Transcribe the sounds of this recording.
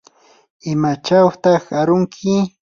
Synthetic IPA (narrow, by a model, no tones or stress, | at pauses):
ɪmat͡ʃawt̪ɑχaɾʊŋkʰɪ